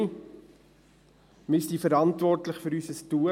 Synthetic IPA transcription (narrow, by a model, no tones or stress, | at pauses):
mystifəɾɑntvɔrtləχføɾysəstuə